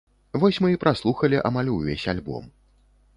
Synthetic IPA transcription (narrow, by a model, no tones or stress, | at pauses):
vɔsʲmɨipɾʔaslˠuxɐlʲiʔa̰malʲuvʲḛsʲalʲbɔ̰m